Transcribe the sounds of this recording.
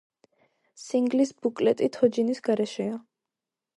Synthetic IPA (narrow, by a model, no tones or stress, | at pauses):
siŋɡlisbukʼlɛt̪ʼit̪ʰɔd͡ʒinisɡ̥aɾɛʃɛa